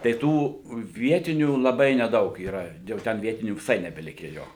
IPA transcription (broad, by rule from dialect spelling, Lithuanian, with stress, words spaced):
tɐɪ ˈtuː ˈʋʲiɛtʲɪnʲuː lˠɐˈbɐɪ nʲɛˈdɐʊk iːˈrɐ jɛʊ ˈtʲɛn ˈʋʲiɛtʲɪnʲuː ʋʲɪˈsɐɪ nʲɛbʲɛˈlʲɪkʲæː ˈjoː